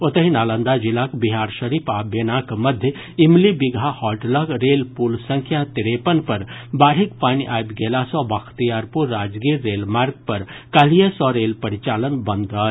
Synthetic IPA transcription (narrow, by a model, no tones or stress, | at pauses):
ot̪əɦinaːlənd̪ad͡ʒilakbiɦaɾʃəɾipʰabjenakməd̪ʱjə | imlibiɡʱahɔlʈləɡɾeːlpulsə̃ŋkʰjat̪iɾepənpəɾbaːɾikpaːniʔaːjb̪ɡeːlasɔ̃bakʰt̪ijaɾpuɾːaːd͡ʒɡiɾɾeːlmaːɾɡ̚pəɾkalijəsɔɾeːlpəɾit͡ʃaːlənbə̃nd̪ə